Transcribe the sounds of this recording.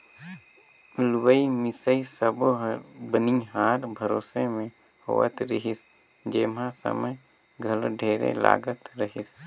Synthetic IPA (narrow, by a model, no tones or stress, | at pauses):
ʊlwəimɪsəisəbbəniɦaːɾbʱəɾoːsemẽ | ho̰ːə̰t̪ɾɪɦɪs | d͡ʒeːmãsə̰məj | ɡʱəlɖʱeːɾḛla̰ːɡət̪ɾəɦɪs